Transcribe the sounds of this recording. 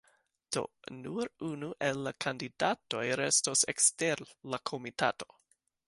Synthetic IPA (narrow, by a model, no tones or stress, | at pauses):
d̥o̞̰nuɾunuʔelːakʰandidato̞jɾesto̞sḛksteɾlakʰomita̰to̞̥